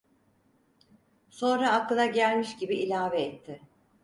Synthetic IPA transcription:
so̞nɾaːkːɯlˠaɟælʲmiʃɟibiilʲaːveːt̪ʰːɪ

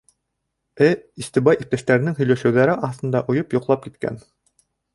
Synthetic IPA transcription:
ɘist̪ibɑjʔip̚t̪æʃt̪æɾɘ̆nɘŋɦɵ̆jlæʃɘ̆wðæɾɘʔɑθt̪ɤ̆nd̪ɑʔŏjɤpjŏqlˠɑp̚kit̪kæ̰n

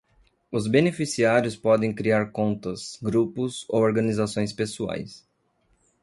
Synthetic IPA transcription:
ʊzbenefisiaɾjʊspɔd̪ẽj̃kɾiaɾkõnt̪ɐsɡɾupʊzowoɾɡɐnizasõj̃spesua̰js

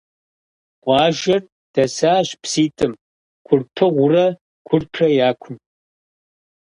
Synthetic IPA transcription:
qʷʼɑːʒɐr | d̥ɐsaːɕpsiːtʰʼɨm | ɡʷʰʊrpʰɨʁʷʊrɐ | ɡʷʰʊrpʰrɐjaːkʷʰʊn

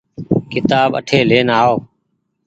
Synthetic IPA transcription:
kɪt̪aːbə̰ʈʰeːleːnaːoː

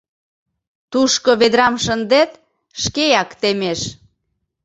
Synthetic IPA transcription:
t̪uʃkoβed̪ɾɑmʃənd̪et̪ | ʃkejɑkt̪emeʃ

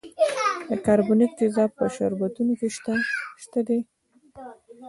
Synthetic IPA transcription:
d̪əkaɾbʊnɪk̚t̪ɪzɑpəʃa̰ɾbat̪unokeʃt̪aʃt̪ad̪e

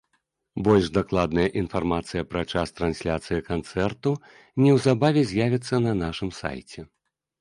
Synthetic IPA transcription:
bɔlʲʐd̪aklˠad̪̚nɐjɐʔinfarmat̪sɨjɐpɾat͡ʂast̪ɾansʲlʲat̪sɨjɐkant̪sɛrt̪u | nʲɛwzabavʲɛzʲjavʲit̪sːɐnɐnaʂɨmsa̰jt͡sʲɛ

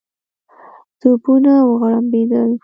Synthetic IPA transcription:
t̪upunawəɣaɽambed̪əl

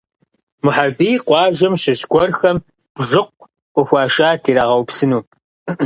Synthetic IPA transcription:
mʊħabiːqʷɑːʒɐmɕɪɕkʷʼɔrxɐm | b̥ʒɨqʷ | ʔʷɔxʷɑːʃaːtʰiːɾaʁɐwpsɨnuː

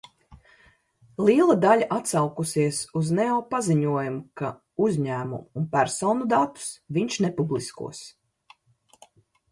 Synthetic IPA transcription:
lˠiːlˠad̪alʲaʔat̪sawkusiɛsuznɛɔːpaziɲuɔjumuka | uzʲɲæːmṵmːnpæɾsɔːnud̪at̪u̥sviɲʲʃnɛpublˠiskṵɔs

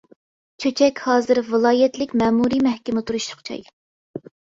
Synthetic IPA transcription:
t͡ʃʰøt͡ʃʰɛkʲhɑːzɨɾvɨlˠɑːjɛt̪lɪkʲmɛːmuɾimɛhkʲɪmɪt̪ʰuɾuʃtʰʊ̥qt͡ʃʰɑ̰j

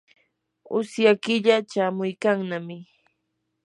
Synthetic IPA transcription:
ʊ̰sjakɪʎat͡ʃaːmʊjkaŋnamɪ

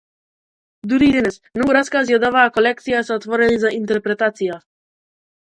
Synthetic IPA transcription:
d̪uɾid̪ɛnɛsmnɔɡuɾaskazjad̪avaːkolɛk̚t̪sijasɛɔt̪vɔɾɛnizaʔint̪ɛɾpɾɛt̪at̪sija

